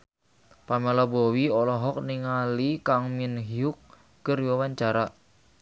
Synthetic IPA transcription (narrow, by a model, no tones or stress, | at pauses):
pamelɔbowiɔlɔɦɔk̚niŋalikaŋminɦiʊk̚ː | ərwawaɲt͡ʃaɾa